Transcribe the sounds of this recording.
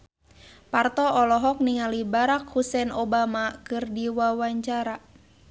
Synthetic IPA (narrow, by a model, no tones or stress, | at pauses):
part̪ɔʔɔlɔɦɔk̚niŋalibaɾak̚husɛnɔbamakɨrdiwawaɲt͡ʃaɾa